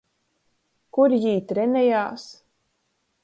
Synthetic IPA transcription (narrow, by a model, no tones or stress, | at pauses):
kuɾjiːt̪ɾɛnɛjaːs